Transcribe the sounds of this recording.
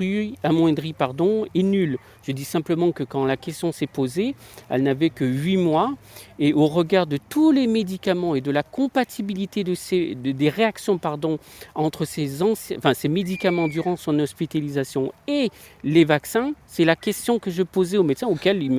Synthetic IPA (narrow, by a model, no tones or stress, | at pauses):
yamwɛ̃d̪ʁipaʁd̪ɔ̃enyl | ʒ̥əd̪isɛ̃pləmɑ̃kəkɑ̃lakʲɛst̪jɔ̃sɛpozeɛ̰lnavɛkəɥimwa | eʔoʁəɡaʁd̪ət̪ulemed̪ikamɑ̃ed̪əlakɔ̃pat̪ʰibilit̪ed̪əsed̪əd̪eʁeaksjɔ̃paʁd̪ɔ̃ɑ̃t̪χəsezɑ̃sj̃fɛ̃semed̪ikamɑ̃d̪yʁɑ̃sɔ̃nɔspit̪alizasjɔ̃elevaksɛ̃sɛlakʲɛst̪jɔ̃kəʒəpozɛomɛt̪sɛ̃okʲɛlilm